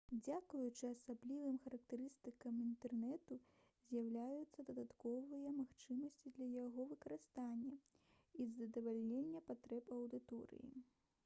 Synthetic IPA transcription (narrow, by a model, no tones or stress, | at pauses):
d͡zʲakujut͡ʂɨasablʲivɨmxɐɾɐk̚t̪ɛɾɨst̪ɨkɐmint̪ɛrnɛt̪u | zʲjawlʲajut̪sːɐd̪ɐd̪at̪kɔvɨjɐmaxt͡ʂɨmɐsʲt͡sʲid̪lʲɐjaɣɔvɨkɐɾɨst̪anʲːɐ | izɐd̪ɐvalʲnʲenʲːɐpat̪ɾɛpɐwd̪ɨt̪ɔɾɨ̰jḭ